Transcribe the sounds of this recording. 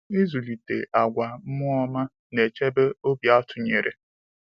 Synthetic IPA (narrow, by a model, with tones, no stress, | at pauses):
i˦zu˨li˨tḛ˨ʔa˨ɡʷa˨m̩˦mʊ˦ɔ˦ma˦ | ne˨t͡ʃe˦be˦o˦bja˦ɔ˦tʰʊ˨ɲe˨ɾḛ˨